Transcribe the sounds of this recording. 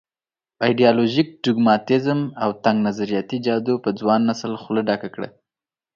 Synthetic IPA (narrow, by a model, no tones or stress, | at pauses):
ɑjɖijɑloʒik̚ɖʊɡmɑt̪ɪzmawt̪aŋɡnazaɾijɑt̪id͡ʒɑd̪opəd͡zwɑnːasəlxləɖɑkakɽə̰